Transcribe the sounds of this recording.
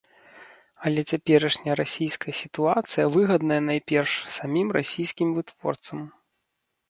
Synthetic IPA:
ɐlʲɛt͡sʲapʲɛɾɐʂnʲɐjɾasʲijskɐjɐsʲit̪uat̪sɨjɐvɨɣɐd̪nɐjɐnajpʲɛrʂsamʲimra̰sʲijskʲimvɨt̪v̥ɔ̰rt̪sɐm

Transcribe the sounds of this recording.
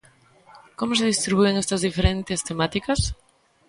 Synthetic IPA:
komos̬eðist̪ɾiβueŋest̪ɐzðifeɾent̪est̪emat̪ikɐs

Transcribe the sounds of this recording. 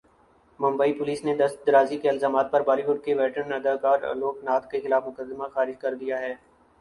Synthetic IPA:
mʊ̃mbəipʊliːsned̪ɐst̪d̪ɐɾaːzikeɪlzaːmaːt̪̚pɐɾbaːliɦʊɖ̚keʋɛːʈənnɐd̪aːkaːɾ̰loːknaːt̪kexɪlaːfmʊkəd̪ːɪmaxaːɾɪd͡ʒkɐɾd̪ijaɦɛː

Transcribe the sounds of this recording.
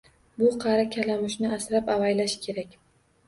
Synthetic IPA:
bʊqʰɑɾakʲʰalamɪʃnɪasɾapavajlaʃkʲʰe̞ɾakʲ

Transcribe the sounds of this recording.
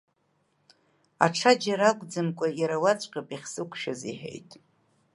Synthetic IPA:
a̰ʈ͡ʂʰad͡ʒaɾakʷʼd͡zɨmkʷʼajaɾawat͡ɕʷʼqʲʼapʼiχʲsɨkʷʰʼʃᶣazḭħḛjtʼ

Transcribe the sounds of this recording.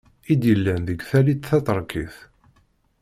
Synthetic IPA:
id̪jəlːænðəɡθælit̪θɑt̪ˤəɾˤkiθ

